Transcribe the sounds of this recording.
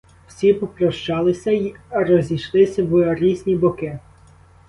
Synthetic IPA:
w̥sʲipɔpɾɔʃt͡ʃɑlˠɪsʲɐirɔzʲiʃlˠɪsʲɐwɾʲizʲnʲibɔkɪ

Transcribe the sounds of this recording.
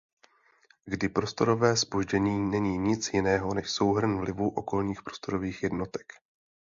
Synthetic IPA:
ɡdɪpɾo̞st̪o̞ɾo̞vɛːspo̞ʒɟɛɲiːnɛɲiːɲɪt͡sjɪnɛːɦo̞nɛʃso̞wɦr̩nvlɪvuʔo̞ko̞lɲiːxpɾo̞st̪o̞ɾo̞viːxjɛdno̞t̪ɛ̥k

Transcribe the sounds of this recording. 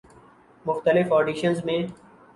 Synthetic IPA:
mʊxt̪əlɪfɔːɖiːʃənzmẽː

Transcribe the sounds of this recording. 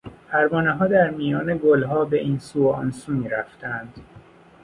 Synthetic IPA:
pʰæɾmɒːneɦɒːd̪æɾmijɒːneɡolɦɒːbeʔiːnsuːɒ̰nsuːmiːɾæft̪ʰæænd̪̥

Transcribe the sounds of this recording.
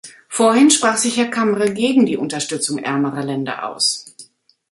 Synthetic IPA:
foːɐhɪnʃpʁ̥aːχz̥ɪçhɛːɐkʰaməʁəlɡeːɡŋ̩diːʔʊntɐʃtʏt͡sʊŋʔɛ̰ɐməʁɐlɛndɐ̰ʔa̰ʊs

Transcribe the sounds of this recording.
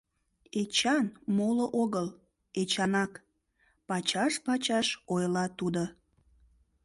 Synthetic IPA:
et͡ɕɑnmoloʔoɣəl | et͡ɕɑnɑk | pɑt͡ɕɑʃpɑt͡ɕɑʃojlɑt̪ud̪o

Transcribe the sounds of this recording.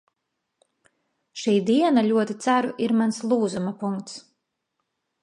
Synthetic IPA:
ʃiːd̪iɛnaʎʲuɔt̪it̪sæɾuʔiɾmanslˠuːzumapuŋkt̪s

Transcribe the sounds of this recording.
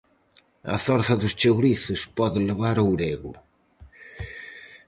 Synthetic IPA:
ɐ̰θɔɾθɐðʊst͡ʃewɾiθʊspɔðɪleβaɾowɾeɣʊ̰

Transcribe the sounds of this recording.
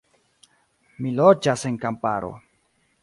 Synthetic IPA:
milod͡ʒase̞ŋkampaɾo̞̰

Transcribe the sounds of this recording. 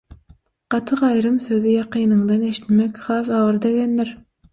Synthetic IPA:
qɑt̪ʰɯqɑjɾɯmsøðijɑqiːnɯɴd̪ɑne̞ʃi̥t̪mækʲχɑːθɑwɯɾd̪eɡʲenːiɾ

